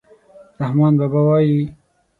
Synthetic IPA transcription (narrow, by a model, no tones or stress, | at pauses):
ɾahmɑːnbabawɑːji